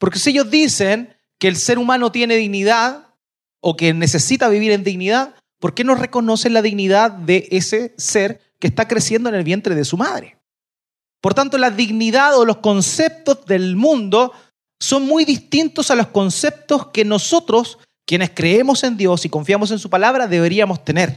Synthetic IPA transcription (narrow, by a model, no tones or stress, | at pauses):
poɾkesieʝozðisen | keːlseɾumanot̪je̞neðiɣniðað | okenːese̞sit̪aβiβiɾend̪iɣniðað | poɾke̞nosre̞ko̞no̞senlaðiɣniðaðːeʔeseseɾ | kest̪akɾe̞sjend̪oene̞lβje̞nt̪ɾe̞ðesumaðɾe | poɾt̪ant̪o̞laðiɣniðaðolo̞hsko̞nsep̚t̪ozðe̞lmũnd̪o̞ | so̞nmːujðist̪int̪osalohsko̞nse̞p̚t̪oskeno̞sot̪ɾo̞s | kje̞neskɾe̞emo̞se̞nd̪jo̞siko̞ɱfjamo̞s̬e̞nsupalaβɾaðe̞βe̞ɾiamost̪ene̞ɾ